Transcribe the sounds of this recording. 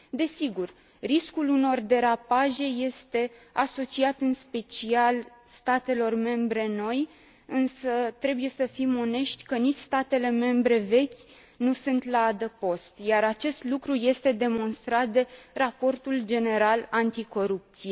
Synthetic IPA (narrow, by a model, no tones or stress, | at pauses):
d̪e̞siɡur | riskuluno̞rd̪e̞ɾapaʒe̞je̞st̪e̞aso̞t͡ʃiat̪ɨnspe̞t͡ʃialst̪at̪e̞lo̞rme̞mbɾe̞no̞j | ɨnsət̪ɾe̞buje̞səfimo̞ne̞ʃt̪ʲkənit͡ʃʲst̪at̪e̞le̞me̞mbɾe̞ve̞kʲ | nusunt̪laad̪əpo̞st̪jaɾat͡ʃe̞st̪lukɾuje̞st̪e̞d̪e̞mo̞nst̪ɾat̪̚d̪e̞rapo̞rt̪uld͡ʒe̞ne̞ɾalant̪iko̞ɾup̚t̪sie